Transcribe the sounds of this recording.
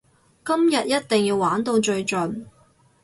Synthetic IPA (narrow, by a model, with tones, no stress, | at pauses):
kɐ˥mjɐ˨t̚jɐ˥t̚t̪ɪ˨ŋjiː˧waː˨˥nt̪o˧wt͡ʃɵ˧ɥt͡ʃɵ˨n